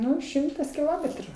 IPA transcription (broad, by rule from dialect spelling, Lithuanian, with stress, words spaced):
ˈnʊ ˈʃʲɪmtɐs kʲɪˈlˠoːmʲɛtrʊ